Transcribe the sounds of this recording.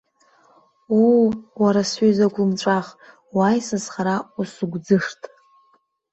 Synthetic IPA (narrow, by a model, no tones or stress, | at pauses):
uwaɾasezaɡʷumʈ͡ʂʷʼaχ | wajsasχaɾausuɡʷd͡zɨʂtʼ